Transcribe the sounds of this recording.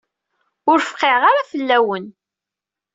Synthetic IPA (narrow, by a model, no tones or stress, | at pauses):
ʊɾfqːeʁaɾafəlːæwən